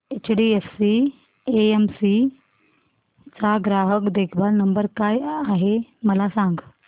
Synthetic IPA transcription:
et͡ɕɖiefsi | eemsi | t͡saɡɾaɦəkd̪ekʰbalnəmbəɾkajaɦeməlasaŋɡ

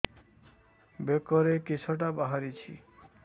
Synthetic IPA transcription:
bekɔɾekisʰɔʈ̬abaɦaɾit͡ʃʰḭ

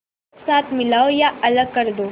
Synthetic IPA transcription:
saːt̪ʰmilaːojaʔɐləɡ̚kəɾd̪oː

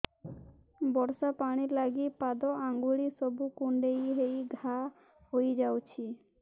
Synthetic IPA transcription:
bɔɾsapaɽ̃iɾlaɡipad̪ɔaŋɡuɭisɔbukuɳɖejɦejɡʱa | hojd͡ʒawt͡ʃʰi

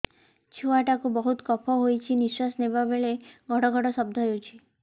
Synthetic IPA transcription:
t͡ʃʰuaʈakubɔɦut̪kɔpʰɔɦojt͡ʃʰiniswasnebabeɭeɡʱɔɽɔɡʱɔɽɔsɔb̚d̪ʱɔɦewt͡ʃʰi

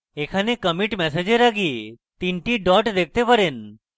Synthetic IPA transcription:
ekʰanekəmiʈmɛs̬ed͡ʒeɾaɡi | t̪iɳʈiɖɔʈd̪ek̚ʰt̪epaɾen

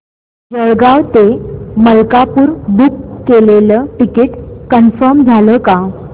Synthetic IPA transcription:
d͡zəɭɡawt̪eməlkapuːɾbukːeleləʈikeʈkənfəɾmd͡zʱaləka

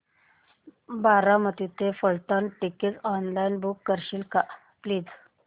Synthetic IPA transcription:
baɾamət̪it̪ʰefəɭt̪anʈiket͡sɔnlainbukːəɾɕiːlka | pliːd͡z

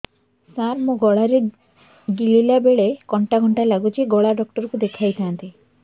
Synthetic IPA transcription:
sanmuɡɔɭaɾe | ɡililabeɭekɔɳʈaɡʱɔɳʈalaɡut͡ʃʰiɡɔɭaɖɔk̚ʈɔɾɔkud̪ekʰajt̪ʰaant̪i

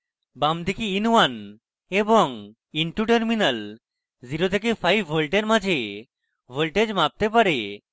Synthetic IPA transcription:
bamd̪ʱikiinwan | eboŋ | iɳʈuʈeɾminəl | ziɾot̪ʰekefʰajbʱolʈeɾmad͡ʑʱe | bʱolʈed͡ʑmab̚t̪epaɾe

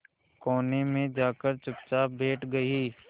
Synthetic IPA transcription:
kɔːnemẽd͡ʒaːkəɾt͡ʃʊp̚t͡ʃabʱeːʈɡɐiː

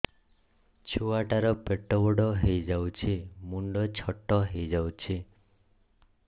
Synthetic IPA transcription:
t͡ʃʰuaʈaɾɔpeʈɔbɔɽɔɦejd͡ʒawt͡ʃʰimuɳɖɔt͡ʃʰɔʈːɔɦejd͡ʒawt͡ʃʰi

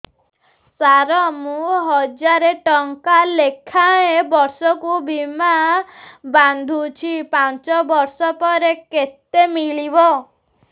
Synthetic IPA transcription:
saɾɔmũɦɔd͡ʒaɾeʈɔŋkalekʰaebɔɾsɔkubima | band̪ʱut͡ʃʰipant͡ʃɔbɔɾsɔpɔɾeket̪emiɭibɔ

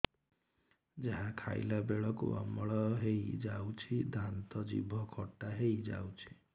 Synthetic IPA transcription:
d͡ʒaɦãkʰa̰jlabeɭɔkṵa̰mɔɭɔɦejd͡ʒawt͡ʃʰid̪ʱant̪ɔd͡ʒḭbʱɔkʰɔʈːaɦejd͡ʒa̰wt͡ʃʰi̥

